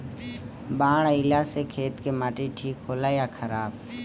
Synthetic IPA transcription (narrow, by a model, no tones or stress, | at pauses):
baːɽ̃əɪlasekʰeːt̪kemaːʈiʈʰiːkɦoːlajakʰəɾaːb